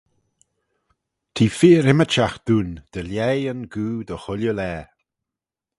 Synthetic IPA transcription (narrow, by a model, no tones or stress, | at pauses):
t̪ʰiːfiːɾɪmət͡ʃaxd̪̥uːnd̪̥əljɛjənɡuːd̪əxʊljəlɛː